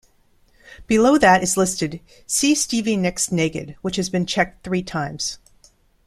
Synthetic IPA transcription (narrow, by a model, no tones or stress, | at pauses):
b̥ɨloʊðɨɾɨzlɪstɨd̥ | sistivinɪksneɪkɨ̰d̚wət͡ʃhɨzbɨ̃nt͡ʃʰɛk̚t̚θɹitʰãɪ̃mz̥